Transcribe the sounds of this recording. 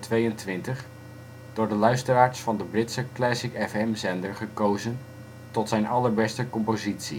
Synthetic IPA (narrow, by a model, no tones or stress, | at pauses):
tʋejəntʋɪntəχ | d̥ʊːɹdəlœɥstəraːɹsfɑndəbrɪtsəklɛsɪkɛfɛmzɛndəɹχəkowzən | tɔtsɛjnɑləɹbɛstəkɔmpozitsi